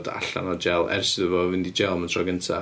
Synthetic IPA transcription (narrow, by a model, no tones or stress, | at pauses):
da̰ɬa̰nɔd͡ʒɛlˠɛ̰rsɪðəvɔvɪndid͡ʒɛlˠməntʰrɔɡəntʰa